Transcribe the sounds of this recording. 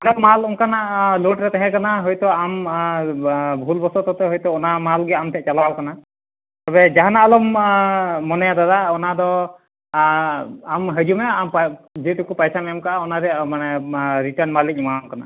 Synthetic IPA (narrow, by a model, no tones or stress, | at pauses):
adɔmalɔŋkanaʔloʈɾɛt̪ɛɦɛ̃kanaɦɔjt̪ɔam | bʱulbɔsɔt̪ɔt̪ɛɦɔjt̪ɔɔnamalɡɛamt̪ʰɛʔ̚t͡ʃalawkana | t̪abɛd͡ʒaɦanaʔalɔmː | ɔnɛjad̪ad̪aɔnad̪ɔ | amɦəd͡ʒumɛampd͡ʒɛʈukupajsamɛmkaʔaɔnaɾɛmanɛɾiʈəɾnmalitk̚ɲmamkana̰